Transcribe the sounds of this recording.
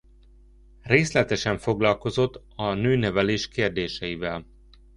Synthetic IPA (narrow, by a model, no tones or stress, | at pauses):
reːslɛt̪ɛʃɛɱfo̞ɡlɒlko̞zo̞t̪ː | ɒnøːnɛvɛleːʃkeːrd̪eːʃɛjivɛl